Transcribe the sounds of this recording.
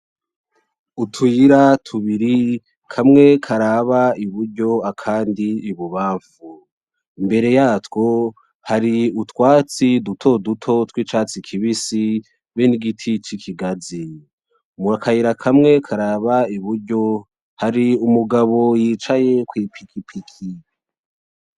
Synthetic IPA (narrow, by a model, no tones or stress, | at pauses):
utʰwiɾatʰuβiɾi | kʰamŋe̞kʰaɾaβaiβuɾɟo̞akʰaːndiːβuβaːɱfu | imbe̞ɾe̞jaːtwo̞ | haɾiutwaːt͡sidutʰo̞dutʰo̞twiːt͡ʃaːt͡sikʰiβisi | βeniɡitʰit͡ʃikʰiɡazi | muakʰajiɾakʰamŋe̞kʰaɾaβaiβuɾɟo̞ | haɾiumuɡaβo̞jiːt͡ʃaje̞kwiːpʰikʰipʰikʰi